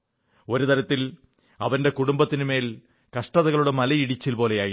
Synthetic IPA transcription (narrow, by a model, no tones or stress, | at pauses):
o̞ɾut̪ɐɾɐt̪ːil | ɐ̰ʋɐnde̞kuɽumbɐt̪ːinume̞ːl | kɐʂʈɐðɐɣɐɭuɽemɐlɐjiɽit͡ɕːilpo̞ːle̞jaːji